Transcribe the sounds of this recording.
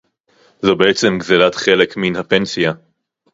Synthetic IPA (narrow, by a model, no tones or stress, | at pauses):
zobeet͡se̞mɡzelat̪χe̞le̞kminhape̞nsija